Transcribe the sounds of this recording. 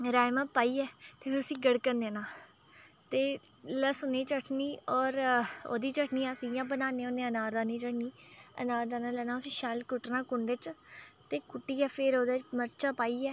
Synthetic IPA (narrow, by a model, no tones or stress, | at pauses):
ɾaːjmãːpaːiːɛːt̪eːpʰɪɾʊsĩːɡəɽkənd̪eːnãː | t̪eːləsʊnẽːt͡ʃəʈʰniːɔːɾo̰ːd̪iːt͡ʃəʈʰniːaːsijãːbənaːneːoːnẽːənaːɾd̪aːnĩːt͡ʃəʈʰniːə̰naːɾd̪aːnãːlɛːnãːʊsĩːʃaːlkʊʈnãːkʊɳɖet͡ʃt̪eːkʊʈːiːɛːpʰeɾoːd̪aːməɾt͡ʃaːpaːiːɛː